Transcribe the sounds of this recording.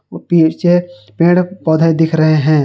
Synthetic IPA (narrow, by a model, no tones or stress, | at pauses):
piːt͡ʃepẽːɽpɔːd̪ʱad̪ɪkʰɾɐɦeɦɛ̃ː